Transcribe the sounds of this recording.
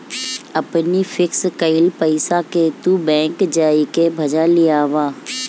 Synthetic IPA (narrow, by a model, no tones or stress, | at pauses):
ɐpnifʰɪkskəɪlpəɪsaket̪ubɛ̃ːŋkd͡ʒaːikebʱɐd͡ʒalijaːʋaː